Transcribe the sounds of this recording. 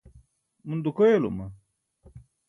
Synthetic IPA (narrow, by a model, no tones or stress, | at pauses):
mund̪ukojelṵmɐ